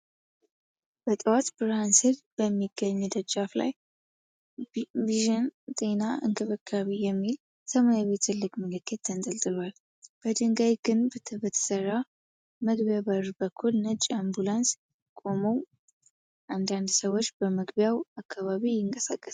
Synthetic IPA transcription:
b̥ət̪ʼəwat̪bɨɾanshɨlb̥əmːiɡːəɲːud̪əd͡ʒafla̰j | viʒɨnt̪ʼenaɨ̰ŋkʰɨβɨkʰːaβijɛmːil | t̪ʰəmajaβet̪ɨlːɨɡʼməlɨkʰːet̪ːʰənzʼəlt̪ʼɨlwal | b̥əd̪ɨŋɡajɡɨnbət̪bət̪ʰə̥sərːa | məɡbjaβəɾbəkʰːulnət͡ʃʼambulans | kʼo̞məw | ʔand̪and̪səwo̞t͡ʃːbəməɡbjawakʰːaβaβijɪŋkʼəsakʼːəs

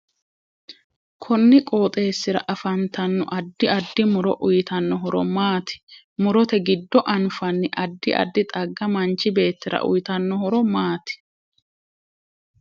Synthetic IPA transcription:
kʰɔnːɪkʼo̞ːt̪ʼe̞ːsːɪɾɐ̰ʔɐfɐnt̪ɐnːɔ̰ʔɐd̪ːɪɐd̪ːɪmʊɾɔ̰ʔʊjt̪ɐnːɔɦɔɾɔmaːt̪ɪ̥ | mʊɾɔt̪ɛɡɪd̪ːɔʔɐnfɐnːɪʔɐd̪ːɪʔɐ̰d̪ːɪt̪ʼɐɡːɐmɐnt͡ʃːɪbe̞ːt̪ːɪɾɐ̰ʔʊ̰jt̪ɐnːɔhɔɾɔmaːt̪ɪ̥

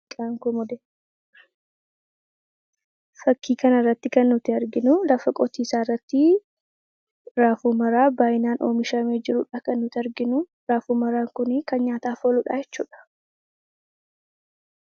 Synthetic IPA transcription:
kʼaːŋkɔmɔd̪ɛ | fɐkːiːkɐnɐrːɐt̪ːɪkɐnːʊt̪ɪɐɾɡɪnʊlɐfɐkʼɔt̪iːsaːrːɐt̪ːɪ | ɾaːfuːmɐɾaːbaːjɪnaːnʔoːmɪʃɐme̞ːd͡ʒɪɾʊᶑaːkɐnːʊt̪ɪɐɾɡɪnʊ | ɾaːfuːmɐɾaːŋkʊnɪkɐnɲaːt̪aːfoːlʊᶑa̰ːjɛt͡ʃːuːᶑɐ̥

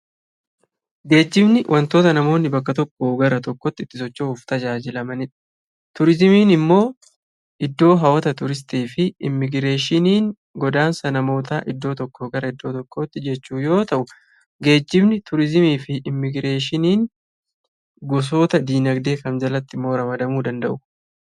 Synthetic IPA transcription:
ɡe̞ːd͡ʒːɪbnɪwʔɐnt̪o̞ːt̪ɐnɐmo̞ːnːɪbɐkːɐt̪ɔkʼːoːɡɐɾɐt̪ɔkːɔt̪ːɪt̪ːɪsɔt͡ʃːoʊːft̪ɐd͡ʒaːd͡ʒɪlɐmɐnɪᶑɐ̥ | t̪ʊɾɪzɪmiːnɪmːo̞ː | ʔɪd̪ːo̞ːɦɐwɐt̪ɐt̪ʊɾɪs̬t̪eːfɪɪmːɪɡɾe̞ːʃɪniːŋ | ɡɔd̪aːnsɐnɐmo̞ːt̪aːʔɪd̪ːo̞ːt̪ɔkːoːɡɐɾɐɪd̪ːo̞ːt̪ɔkːoːt̪ːɪd͡ʒɛt͡ʃːuːjo̞ːt̪ɐʔʊ | ɡe̞ːd͡ʒːɪbnɪt̪ʊɾɪzɪmiːfɪʔːmːɪɡɾe̞ːʃɪniːŋ | ɡɔs̬o̞ːt̪ɐd̪iːnɐɡd̪e̞ːkɐmd͡ʒɐlɐt̪ːɪmːo̞ːɾɐmɐd̪ɐmuːd̪ɐnd̪ɐʔʊ

